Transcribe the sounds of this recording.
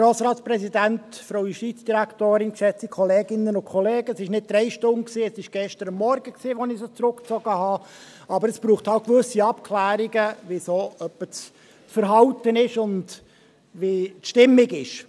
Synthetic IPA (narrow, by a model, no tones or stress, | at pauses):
ɾoːsɾɑːtt͡spɾɛsidæntfɾowiʃtit͡sd̥iɾæktoːɾɪnkʃɛt͡sikʰɔleːɡɪnːənʊnkʰɔleːɡ̥əsɪʃnɪt̚d̥ɾɛɪʃtʊnksiːɛsɪʃɡ̥ɛʃtəɾɑmːɔɾɡəksiːʋɔnɪsot͡sɾʊkt͡sɔɡ̥əɦɑː | ɑbəɾəsb̥ɾuːχthɑltkʋɵsiɑpkʰlæːɾiɡəʋisoːœpːət͡s | t͡sfəɾɦɑwtənɪʃʊnd | ʋitʃtɪmːɪɡɪʃ